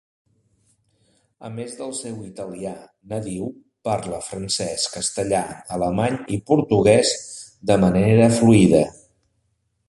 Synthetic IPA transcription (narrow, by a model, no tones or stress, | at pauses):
ə̰mezðəlˠsewit̪əlia | nəðiw | paɾləfɾənsɛskəst̪əʎaələmaɲipuɾt̪uɣ̞ɛz | d̪əməneɾəfluiðə